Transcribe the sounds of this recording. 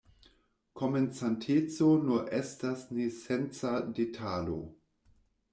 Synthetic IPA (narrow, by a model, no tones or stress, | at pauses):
kʰoment͡santʰet͡sonuʔestasnesent͡sadetʰalo̰